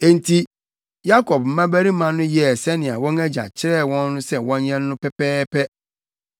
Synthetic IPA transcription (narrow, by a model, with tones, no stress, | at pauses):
e˨n̩˨tʰi˦ | ja˦kɔ˨p̚m̩˦mã˦bæ˦ɾi˦mã˨nʊ̃˦jɛ˨sɛ˦nɪ̃˨a˨wɔ̃˦ŋæ˦d͡ʑa̰˨t͡ɕʰɪ˦ɾɛ˦˨wɔ̃˦nːʊ̃˦sɛ˦wɔ̃˦nɲɛ̃˦nː˦ʊ̃˦pʰɛ˦pɛː˦pʰɛ˦